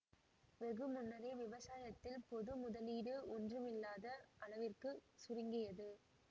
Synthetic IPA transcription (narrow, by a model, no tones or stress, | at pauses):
ʋɛɣɯmʊnːɐɾeːʋɪʋɐsaːjɐt̪ːɪlpɔðɯmʊðɐliːɽɯɔndrɯmɪlːaːðɐʔɐɭɐʋɪrkɯsʊrɪŋɡɪjɐðɯ